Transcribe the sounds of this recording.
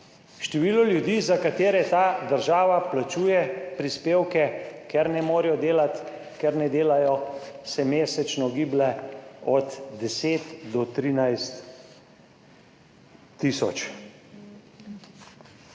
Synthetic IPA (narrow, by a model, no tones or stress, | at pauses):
ʃt̪ɛʋiːlɔljud̪iːzakat̪eːɾɛt̪aːd̪əɾʒaːʋaplat͡ʃuːjɛpɾispeːwkɛkɛɾnɛmoːɾjɔd̪eːlat̪ | kɛɾnɛd̪eːlajɔsɛmeːsɛt͡ʃnɔɡiːblɛɔd̪d̪ɛseːt̪d̪ɔt̪ɾiːnajst̪ | iːsɔt͡ʃ